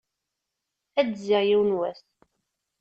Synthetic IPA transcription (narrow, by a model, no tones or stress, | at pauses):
æd̪ziʁjiwnwæs